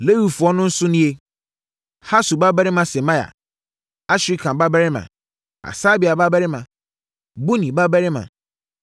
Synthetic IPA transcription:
le˦wu˨fʊ˨ɔ˦nʊ̃˦n̩˦sʊ˦nĩ˦e˦ | ha˦su˨ba˦bɛ˦ɾɪ˦mã˨sɛ˨mã˦ja̰˨ | a˦ɕᶣɾi˦kʰã˨ba˦bɛ˦ɾɪ˦mã̰˨ | a̰˨saː˦bɪ˨a˨ba˦bɛ˦ɾɪ˦mã˨ | bu˦nĩ˨ba˦bɛ˦ɾɪ˦mã̰˨

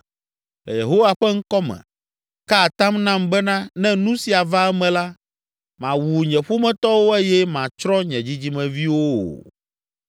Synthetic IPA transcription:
jḛ˨ɦo˦wa˨ɸɛ˦ŋ̩˦kɔ˦mɛ̰̃˨ | ka˦˨t̪ã˦mnã˦mbɛ˦nã˦nɛ̃˦nũ˦si˨a˨va˦ɛ˦mɛ̃˨la˦ | mã˨wu˨ɲɛ̃˨ɸo˦mɛ̃˦t̪ɔ˦wo˦ɛ˦jɛ˦mã˨t͡ʃɾɔ˦ɲɛ̃˨d͡ʑi˦d͡ʑi˦mɛ̃˨vi˦wo̰˦˨

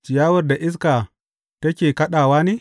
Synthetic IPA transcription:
t͡ʃi˨ja˦wɐ˦ɾda˨ʔɪ˦s̬ka˨ | ta˦kʲe˨ka˦ɗa˨waː˦ni˦

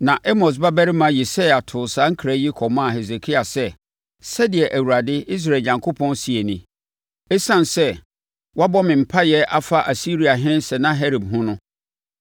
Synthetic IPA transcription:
nã˨ʔɛ˦mɔ˨s̬ba˦bæ˦ɾɪ˦mã˨je˨sa˦ja˨tʰʊ˨saː˦ŋ̩˦kʰɾæ˦ji˦kʰɔ˨mã˦˨ɦɛ˨ze˨kʰi˦a˨sɛ˦ | sɛ˦dɪ˨ɛ˨ʔæ˨wu˨ɾa˨dɪ˦ʔi˦s̬ɾa˨ɲã˨ŋkʰo˦pʰɔ̃˦n˦si˨e˨nɪ̃˨ | ɛ˦sã˦n˨sɛ˦ | wa˦bɔ˦mɪ̃˨m̩˨pʰa˦jɛ˦ʔa˦fa˦ʔa˨si˦ɾi˨a˨ɦɪ̃˦nsɛ˨nã˦ɦɛ˦ɾi˨bɦʊ̃˦nʊ̃˦

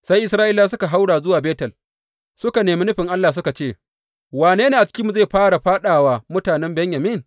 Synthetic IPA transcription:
sa˦jʔɪ˨sɾaː˦ʔɪ˦lːaː˦s̬ʊ˦ka˨ɦa˦wɽaː˨zʊ˦waː˨beː˦tɐ˨l | sʊ˦ka˨neː˨mi˦nʊ˦ɸɪ˨ŋʔa˦lːaː˨s̬ʊ˦ka˨t͡ʃeː˦˨ | waː˨neː˦neː˨ʔa˨t͡ʃɪ̥˦kʲi˦mːu˨za˦˨jɸaː˦ɽa˨ɸaː˦ɗaː˨waː˦mʊ˦taː˨nɛ˦mbɛ˦ɲja˨mɪ˦˨ŋ

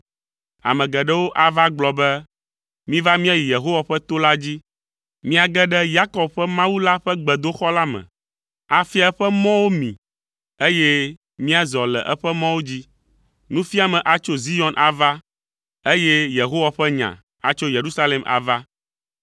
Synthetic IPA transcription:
a̰˨mɛ̃˨ɡɛ˨ɖɛ˦wo˦ʔa˨va˦ɡ͡blɔ˨bɛ˦ | mĩ˦va˦mĩ˦ɛ˦˨ji˨je˨ɦo˦wa˨ɸɛ˦t̪o˦la˦d͡ʑi˦ | mĩ˦a˨ɡɛ˦ɖɛ˦ja˦kɔ˨b̚ɸɛ˦mã˦wu˦la˦ɸɛ˦ɡ͡bɛ˨d̪o˦xɔ˦la˦mɛ̰̃˨ | a˨fi˦a˨ɛ˦ɸɛ˦mɔ̃˦wo˦mĩ˨ | e˦jɛ˦ | mĩ˦a˦zɔ˨lɛ̰˨ʔɛ̰˦ɸɛ˦mɔ̃˦wo˦d͡ʑi˦ | nũ˦fi˦a˨mɛ̃˨ʔa˨t͡ʃo˦zi˦jɔ̃˨nʔa˨va˦ | e˦jɛ˦je˨ɦo˦wa˨ɸɛ˦ɲã̰˨ | a˨t͡ʃo˦je˨ɾu˦sa˦le˨mʔa̰˨va˦

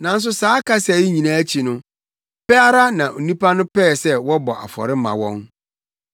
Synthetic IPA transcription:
nã˨n̩˦s̬ʊ˦saː˦kʰa˦sɛ˨ji˦ɲĩ˨nã˦t͡ɕʰi˨nʊ̃˦ | pɛ˦a˦ɾa˦nã˨ʔo˨nĩ˦pa˦nʊ̃˦pɛː˦˨sɛ˦wɔ˦bɔ˨ʔa̰˨fɔ̰˨ɾɪ˦mã̰˨wɔ̰̃˦n

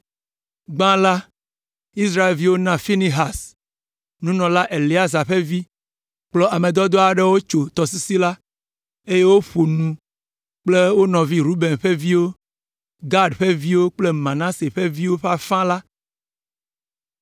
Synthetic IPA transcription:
ɡ͡bã˦la˦ | i˦sɾa˦e˨lvi˦wo˦nã˦fi˦ni˦ɦa˨s | nũ˦nɔ̃˨la˦ʔe˨li˨˦a˦za˨ɸe˦vi˦ | k͡plɔ˦a˨mẽ˨d̪ɔ˦d̪o˦a˨ɖɛ˦wo˦t͡ʃo˨t̪ɔ˨s̬i˦si˦la˦ | e˦je˦wo˦ɸo˨nũ˨ | k͡ple˦wo˦nɔ̃˨vi˦ɾu˦be˨nɸe˦vi˦wo˦ | ɡa˦ɖɸe˦vi˦wo˦k͡ple˦mã˨nã˦se˨ɸe˦vi˦wo˦ɸa˦fã˦la˦

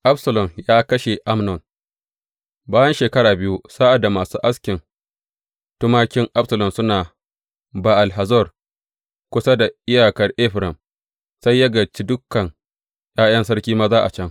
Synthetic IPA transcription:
ʔa˦bsɐ˨lɔ˨mjaː˦kɐ˦ʃe˨ʔa˦mnɔ˨n | baː˦jɐ˦nʃeː˨kɐ˦ɽaː˨bɪ˦ju˦saː˦ʔa˨da˨maː˨suː˦ʔa˦skʲɪ˨ŋ | tʊ˦maː˦kʲɪ˦ŋʔa˦bsɐ˨lɔ˨msʊ˦naː˨ | ba˨ʔa˨lɦa˨zɔ˦˨r | kʷʊ˦sa˦da˨ʔɪ˦jaː˨kɐ˨rʔɪ˦ɸɾɐ˨m | sa˦jːa˦ɡɐ˨t͡ʃi˦dʊ˦kːɐ˨ŋ | jaː˦j̰ɐ˦nsɐ˦ɽkʲiː˦maː˦zaː˦ʔa̰˨t͡ʃɐ˦ŋ

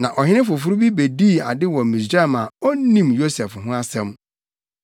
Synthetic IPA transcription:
nã˨ʔɔ˨hɪ˦nɪ̃˦fʊ˨fʊ˦ɾu˦bi˦be˨di˦˨a̰˨dɪ˦wɔ̃˨mĩ˨s̬d͡ʒa˦˨ma˨ɔ˦nĩ˨mjo˦sɛ˨fɦʊ̃˦a˦sɛ̃˦m˦

